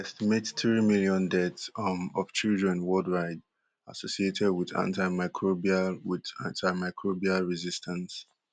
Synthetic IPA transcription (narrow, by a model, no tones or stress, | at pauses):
ɛstimetθɹimiliɔ̃ndɛtsɔmɔv̥t͡ʃilˠdɹɛ̃nwɔldɹaɪd | a̰sosietʰɛd̚wiðã̰ntaɪmaɪkʰɹobialwiðã̰ntʰaɪmaɪkʰɹobialɹizistʰãns